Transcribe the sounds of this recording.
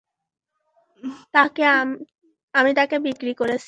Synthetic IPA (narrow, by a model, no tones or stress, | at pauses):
t̪ake | amit̪akebikɾikoɾet͡ɕʰi